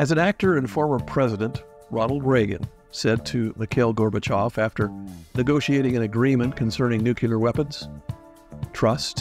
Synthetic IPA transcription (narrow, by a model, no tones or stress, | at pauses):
ɨzɨ̃næk̚tə˞ɨ̃nfɔɹmə˞pʰɹ̥ɛzɨɾɨ̃nʔ | ɹɑɾl̩ˠd̚ɹeɪɡɨ̰̃n | sɛd̚tʰɨmɨkʰɪɪlˠɡɔɹbɨt͡ʃʰɑfæftə˞nɨɡoʊʃieɪɾɪ̃ŋɨ̃nɨɡɹĩmɨ̃nkʰn̩sɜ̃˞nɪ̃ŋnʉkʰll̩ˠə˞wɛpɨ̃nz̥ | tʰɹ̥ʌst